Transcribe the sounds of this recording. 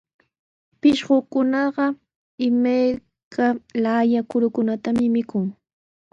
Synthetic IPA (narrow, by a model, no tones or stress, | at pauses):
pɪʃɢokʊnɑɢɑ | ɪmaj | kʰalajakʊɾʊkʊnat̪amɪmɪkʊŋ